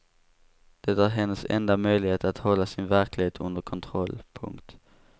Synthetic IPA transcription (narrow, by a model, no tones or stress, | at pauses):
d̪̥ɛd̪æːɾɦɛnːəsɛ̰nd̪amœʏlɪheːt̪at̪hɔlːasɪnvæɾklɪheːt̪ʰɵ̰nd̪əɾkʰɔnt̪ʰɾɔlːpʰɵ̰ŋkt̪